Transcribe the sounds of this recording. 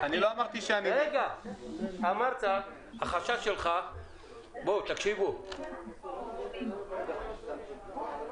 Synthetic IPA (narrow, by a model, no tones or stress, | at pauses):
aniloamaʁt̪iʃeanieɡa | amaʁt̪a | aχaʃaʃelχa | bot̪akʃivu